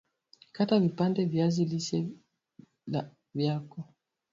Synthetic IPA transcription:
katavipandɛvjazilisɛ | vjakɔ

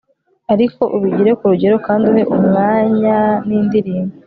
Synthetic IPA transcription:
aɾiko̞ʔuβiɟiɾe̞kuɾuɟe̞ɾokaːnduhe̞ʔumŋaːɲaniːndiɾiːmbi

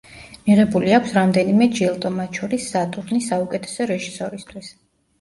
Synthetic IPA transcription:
miʁɛbuliakʷʰsɾamd̪ɛnimɛd͡ʒilˠt̪ʼɔmat̪ʃʰɔɾisːat̪ʼuɾnisːaukʼɛt̪ʰɛ̥sɔɾɛʒisɔɾist̪ʰwis

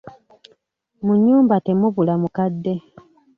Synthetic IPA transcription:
muɲːuːmbate̞muβulamukadːe̞

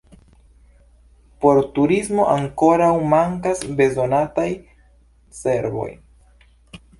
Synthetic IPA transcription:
po̞ɾtuɾizmo̞ʔaŋko̞ɾawmaŋkasbe̞zo̞nataj | se̞ɾvo̞̰j

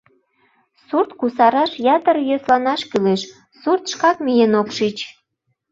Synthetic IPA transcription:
surt̪kusɑɾɑʃjɑt̪əɾjøslɑnɑʃkyleʃ | surt̪ʃkɑkmijenokʃit͡ɕ

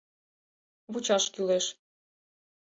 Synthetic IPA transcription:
βut͡ɕɑʃkyleʃ

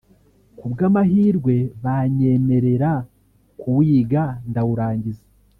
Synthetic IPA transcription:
kubɡaːmahiːɾɡwe̞βaɲe̞me̞ɾe̞ɾa | kʰuwiːɡandawuɾaːɲɟiza

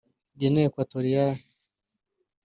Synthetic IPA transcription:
ɟenekwatoɾija

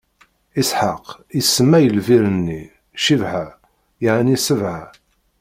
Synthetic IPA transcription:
isħaq | isːəmːæjəlviɾənːi | ʃivʕa | jəʕnisəvʕa

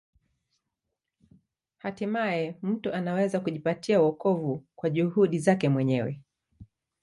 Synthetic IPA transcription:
hatimaɛm̩tuanawɛzakuʄipatʰiauɔkɔvukwaʄuhuɗizakɛmwɛɲɛwɛ̰

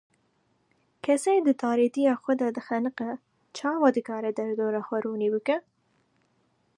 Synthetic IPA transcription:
kʰɛsejd̪ɨt̪ʰɑːɾet̪ijɑːxʷɛd̪ɑd̪ɨxɛnɨqɛ | t͡ʃʰɑːwɑd̪ɨkɑːɾɛd̪ɐɾd̪oːɾɑːxʷɛɾuːniːbɨkɛ

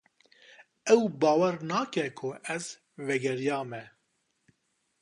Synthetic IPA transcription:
ɛwbɑːwɛɾnaːkɛkʰʊʔɛz | vɛɡɛɾijɑːmɛ

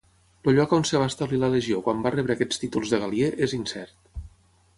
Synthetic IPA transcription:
luʎɔkonsəβ̞ast̪əβlilələʒiokwambarɛβəkɛt͡st̪it̪ulˠzðəɣalˠieʔezinsɛ̰ɾt̪

